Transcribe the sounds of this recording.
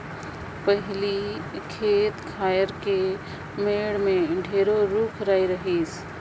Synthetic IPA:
pəɦɪlikʰeːt̪kʰaːjəɾke | meːɽmẽɖʱeːɾoɾuːkʰɾaːiɾɐɦeːs

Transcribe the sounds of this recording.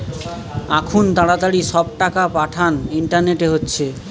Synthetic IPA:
akʰunt̪aɽat̪aɽiʃɔb̚ʈakapaʈʰaniɳʈaɾneʈeɦotːɕʰe

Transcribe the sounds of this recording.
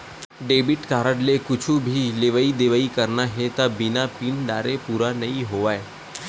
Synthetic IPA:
ɖeːbɪʈkaːɾəɽlekʊt͡ʃʰũbʱileʋəid̪eʋaikəɾnaɦet̪abɪnapiːnɖaːɾepuːɾanɐɦĩɦoʋaːe

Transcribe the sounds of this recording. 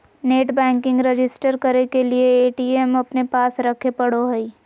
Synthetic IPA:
neːʈbɛ̃ːŋkɪ̃ŋɡɾed͡ʒɪsʈəɾkɐɾekelieeːʈiːemɐpnepaːsɾɐkʰepɐɽoɦɛi

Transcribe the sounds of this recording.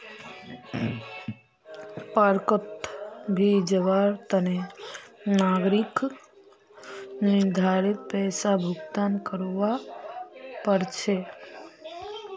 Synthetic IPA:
paɾkət̪ɡʱid͡ʒəʋaɾt̪əne | naɡɾik | nɪid̪ʱaɾit̪̚pɛːsabʱʊɡt̪ankəɾʋa | pəɾt͡ʃʰe

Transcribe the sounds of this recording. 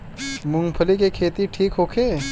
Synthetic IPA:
mʊ̃ŋɡpʰəlikekʰeːt̪iʈʰiːkɦoːkʰeː

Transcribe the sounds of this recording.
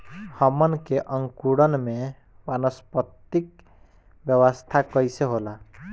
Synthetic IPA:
həmənkeʔəŋkuɽənme | manəspət̪ik | bjəwəst̪ʰakʌjseɦola

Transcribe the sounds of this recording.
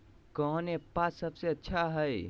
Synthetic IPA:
kəɦnepasəbseətːʃʰaɦəj

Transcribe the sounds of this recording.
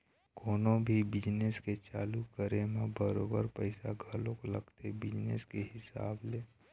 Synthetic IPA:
koːnõbʱibɪd͡ʒnesket͡ʃaːlukəɾemãbəɾo̰ːbəɾpəɪsaɡʱəlõkolə̰ɡt̪ebɪd͡ʒnḛskehɪsa̰ːbleː

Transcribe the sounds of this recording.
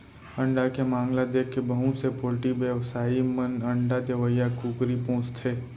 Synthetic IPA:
ɐ̃ɳɖakemãːŋlad̪eːkːebəɦũsepoːlʈibjəʋsaːimənɐ̃ɳɖad̪eʋəjakuːkɾipõːt͡ʃt̪ʰeː

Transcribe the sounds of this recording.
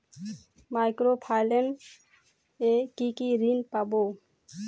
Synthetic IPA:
maɪkɾopʰaɪlen | ekikiɾinpabo

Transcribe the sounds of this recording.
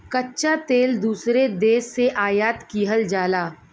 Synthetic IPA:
kɐtːʃat̪eːld̪uːsɾed̪eːsːeʔaːjaːt̪kiːɦəld͡ʒaːlaː

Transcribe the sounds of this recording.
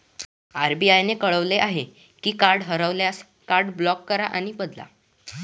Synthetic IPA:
aɾbiːajnekəɭəʋleʔaɦe | kiːkaɾɖɦəɾəʋljas | kaɾɖblɔkːəɾa̰ʔaɽ̃ibəd̪la̰

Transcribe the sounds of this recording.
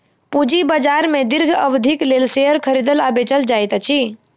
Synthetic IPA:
pud͡ʒibəd͡ʒaɾmed̪iɾɡʱəbd̪ʱiklelseɦəɾkʰəɾid̪əlabet͡ʃəld͡ʒajt̪t͡ʃʰi

